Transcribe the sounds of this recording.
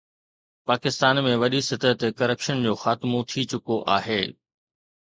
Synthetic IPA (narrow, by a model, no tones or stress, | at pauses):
paːkɪst̪aːnmẽʋɐɗisɪt̪ət̪kɐɾəpʃənd͡ʑoːxaːt̪ɪmot̪ʰit͡ɕʊkoʔaːɦeː